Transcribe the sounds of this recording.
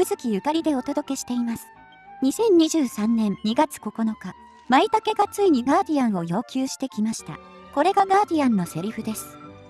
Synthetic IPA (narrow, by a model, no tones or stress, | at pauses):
ɯ̟zɨkʲijɯ̟kaɾʲid̪e̞o̞t̪o̞d̪o̞ke̞ɕi̥t̪e̞imasɨ̥ | ɲ̟isẽ̞ɲ̟ɲːiʑɨːsãnːẽ̞nɲiɡat͡sɨ̥ko̞ko̞no̞ka | mait̪ake̞ɡat͡sɨiɲ̟iɡaːd̪ʲiãɰ̃o̞jo̞ːkʲɨːɕi̥t̪e̞kʲimaɕi̥t̪a̰ | ko̞ɾe̞ɡaɡaːd̪ʲiãnːo̞se̞ɾʲiɸɯ̟d̪e̞sɨ̥